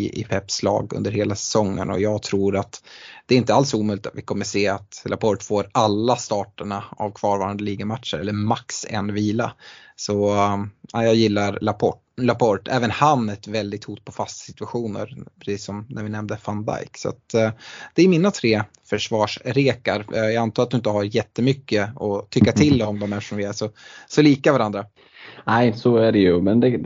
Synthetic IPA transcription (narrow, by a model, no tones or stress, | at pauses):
ɪʔɪ̰pʰɛpːslɑ̰ːɡɵ̰nd̪əɾheːlasɛ̥sɔŋːə̰nɔ̰jɑːɡt̪ʰɾuːɾat̪d̪̥ɛːɾɪnt̪əalsuːmœʏlɪt̪a̰t̪vɪkʰɔmːəʂeːat̪lʔapʰɔɾʈ̪foːɾalːast̪ɑːʈəɳaa̰vkʰvɑːɾvɑːɾand̪əliːɡamat̪ʂəɾɛlːəɾmaksɛ̰nviːlasɔ | ajɑːɡjɪlːaɾlapʰɔ | lapʰɔʈɛːvənhanːɛt̪vɛld̪ɪɡ̚t̪huːt̪̚pʰɔfast̪sɪt̪ɵaɧuːnə̰ɾpʰɾɛsiːsːɔmnʔæɾvɪnɛmd̪əfand̪a̰jksa̰t̪d̪̥ɛːɾmɪnːat̪ʰɾeː | fœʂvɑːʂɾeːkaɾjɑant̪ʰɑːɾt̪̚d̪ɵɪnt̪əɦaɾjɛt̪ːəmʏkːəɔt̪ʰʏkːat̪ʰɪld̪ɛɔmd̪ɔmɛft̪əʂɔmvɪæʂɔsɔliːkavaɾand̪ɾa | næɪsɔæɖɛjɵmɛnd̪ɛ